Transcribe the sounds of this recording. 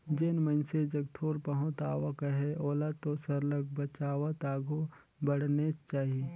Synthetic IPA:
d͡ʒenmənsed͡ʒɐɡt̪ʰoːɾpɐɦʊ̃t̪aːwakɐɦeoːlat̪osəɾləɡ̚bət͡ʃaːwat̪aːɡʱo | bəɽ̤net͡ʃaːɦieː

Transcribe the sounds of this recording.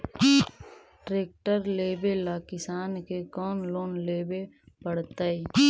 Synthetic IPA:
ʈɾeːk̚ʈəɾleːbelaːkɪsaːnkekɔːnloːnleːbe | pəɽt̪a

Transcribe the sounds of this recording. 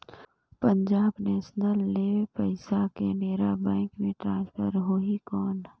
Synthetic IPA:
pə̃ɲd͡ʒaːbnɛːʃnəlːepəɪsakeneːɾabɛ̃ːŋkmẽʈɾãːnspʰəɾɦoːikɔːn

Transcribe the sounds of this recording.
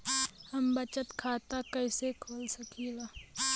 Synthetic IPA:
hɐmbət͡ʃət̪kʰaːt̪akɐɪsekʰoːlsəkʰiːlaː

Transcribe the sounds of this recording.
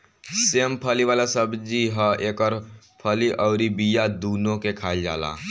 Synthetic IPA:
seːmpʰəliʋaːlasəbd͡ʒiɦə̃eːkɔːɾ | pʰəliʔɔʊɾibijad̪uːnõkekʰaːld͡ʒa̰ːla̰ː

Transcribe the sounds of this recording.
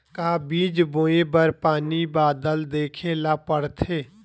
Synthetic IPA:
kaːbiːd͡ʒbõːebəɾpaːnibaːd̪əld̪eːkʰelaːpəɽt̪ʰeː

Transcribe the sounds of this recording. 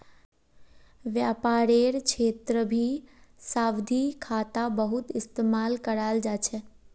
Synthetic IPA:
ʋjaːpaːɾeːɾkʰeːt̪ɾəbʱisaːʋd̪ʱikʰaːt̪abəɦʊt̪ɪst̪eːmaːlkəɾaːld͡ʒaːt͡ʃʰɛ

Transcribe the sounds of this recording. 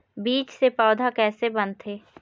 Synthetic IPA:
biːt͡ʃsepaːd̪ʱakɛːsebə̃nt̪ɦeː

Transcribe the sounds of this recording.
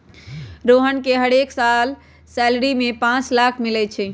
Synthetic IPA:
ɾoɦənkeɦəɽeksal | sɛlɾimepãt͡ʃlakʰmilɛt͡ʃʰɛ

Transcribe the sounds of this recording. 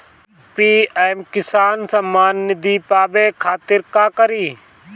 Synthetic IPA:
piːɛmkɪsaːnsəmːaːnːɪd̪iːpaːbeːkʰaːt̪ɪɾkaːkəɾiː

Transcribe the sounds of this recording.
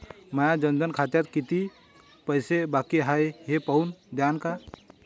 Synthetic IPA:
məjad͡ʒənd̪ənkʰat͡ʃ̪at̪kit̪i | pəjsebakiɦajɦepəund̪jaːnka

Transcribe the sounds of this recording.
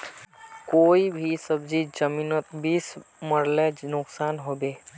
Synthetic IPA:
koːibʱisəbzid͡ʒəmiːnot̪bisməɾlenʊksaːnɦoːbeː

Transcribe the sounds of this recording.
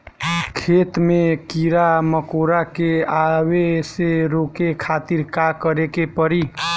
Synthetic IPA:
kʰet̪mekiɾaməkoɾakeaweseɾokekʰat̪iɾkakəɾekepəɾi

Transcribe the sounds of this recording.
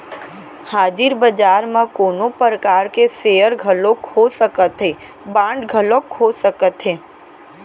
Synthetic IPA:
haːd͡ʒɪɾbəd͡ʒaːɾmãkoːnopəɾəkaːɾkesejəɾɡʱəlokʰosəkət̪ɦeː | bãːɳɖɡʱəlokʰːoːsəkət̪ɦeː

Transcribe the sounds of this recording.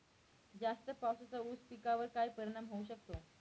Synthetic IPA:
d͡zast̪əpasut͡sauspikaʋəɾkajpəɾiɳamɦouɕək̚t̪o

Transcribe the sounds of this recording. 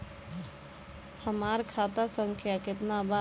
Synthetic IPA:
həmaɾkʰat̪asəŋkʰjaket̪naba

